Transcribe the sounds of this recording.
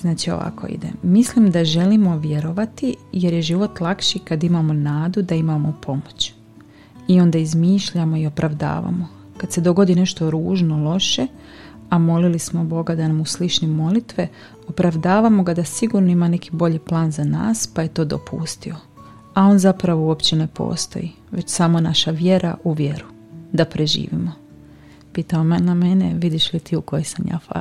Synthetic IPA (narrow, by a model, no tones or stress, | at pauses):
znaːt͡ɕio̰ʋa̰kʰo̰ḭd̪ḛmislimd̪aʒe̞limo̞ʋje̞ɾo̞ʋat̪ije̞ɾjeʒiʋo̞t̪lˠakʃikad̪imamo̞naːd̪ud̪aimamo̞pʰo̞mot͡ɕ | io̞nd̪aizmiːʃʎamo̞io̞pɾʔaʋd̪a̰ːʋa̰mo̞ | kad̪se̞d̪o̞ɡo̞d̪ine̞ʃt̪o̞ɾuːʒno̞lˠo̞ʃe̞ | amo̞lilismo̞bo̞ɡad̪anamuslit͡ʃnimo̞lit̪ʋe̞ | o̞pɾaʋd̪aːʋamo̞ɡad̪asiɡuɾnoimane̞kibo̞ʎiplˠaːnzana̰ːspaje̞t̪o̞ːd̪o̰pʰṵst̪io̞ | ao̞nzapɾaʋouopt͡ɕene̞po̞̰ːst̪o̞̰ji | ʋe̞t͡ɕsamo̞naʃaʋje̞ɾʔaʔuʋje̞ɾu | d̪apɾʔe̞ʒḭːʋḭmo | piːt̪aomname̞nḛʋid̪iʃlit̪iːuko̞jisamja̰ːfa̰